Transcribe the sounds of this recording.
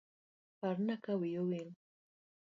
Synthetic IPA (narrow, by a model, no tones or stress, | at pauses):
paɾnakawɪjʊwɪŋ